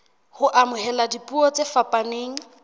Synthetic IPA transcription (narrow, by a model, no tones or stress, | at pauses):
hʊʔamʊhɛladipʼuɔt͡sʼefapʼaneːŋ̩